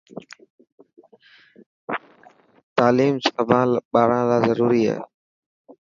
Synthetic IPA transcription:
t̪aːliːmsəʋãːlɓaːɾãːlaːzəɾuːɾiːa̰ːɦ

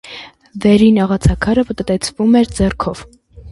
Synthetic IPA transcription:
vɛɾinɑʁɑt͡sʰɑkʰɑɾəvət̪ət̪ɛt͡sʰvumɛɾd͡zɛrkʰɔv̥

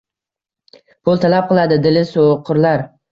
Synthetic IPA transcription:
pʰʊlˠt̪ʰalap̚qʰɨlˠad̪ɪd̪ɪlɪsoqʰʊɾlaɾ

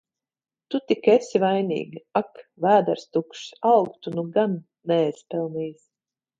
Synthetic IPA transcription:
t̪ut̪ikesʲivajnʲḭːɡiakvæːd̪aɾst̪ukʃawkt̪unuɡanː | ɛːspɛlˠniːs

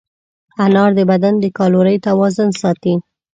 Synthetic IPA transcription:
anɑɾd̪əbad̪and̪əkɑloɾəjt̪awɑzʊnsɑt̪i

